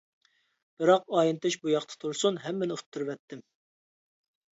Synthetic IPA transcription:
b̥ɨɾɑqɑːjint̪ʰɨʃbujɑqt̪ʰə̥t̪ʰuɾsunɦɛmːɪnɪut̪ʰːɨɾvɛt̪ːɪm

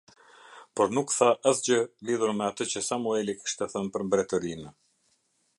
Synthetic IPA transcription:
pɔɾnukθaʔaθd͡ʑəliðuɾmɛat̪ət͡ɕəsamuɛliki̥ʃt̪ɛθənpəɾmbɾɛt̪əɾinə

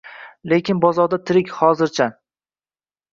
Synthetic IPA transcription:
le̞kʲʰɪnbɒzɒɾd̪at̪ʰɪɾɪkʲχɒzɪɾt͡ʃʰa

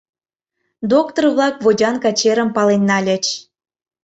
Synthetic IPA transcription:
d̪okt̪orβlɑkβodʲɑnkɑt͡ɕeɾə̆mpɑlenːɑlʲə̆t͡ɕ

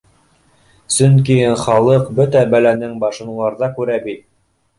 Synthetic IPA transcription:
sɵŋkiχɑlˠɤqbɵt̪æbælænɘŋbɑʃɤ̆nulˠɑɾðɑkʉɾæbit̪̚

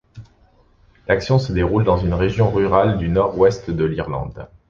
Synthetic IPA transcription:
laksjɔ̃səd̪eʁuld̪ɑ̃zynʁeʒjɔ̃ʁyʁald̪ynɔʁwɛst̪d̪əliʁlɑ̰̃d̪

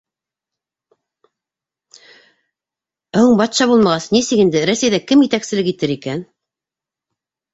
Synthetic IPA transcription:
hɤɴbɑt̪ʃɑβulˠmɑʁɑsnisɘkɘ̆nd̪ɘɾæsejðækɘmjɘ̆t̪æksɘ̆lɘkit̪ɘɾikæn

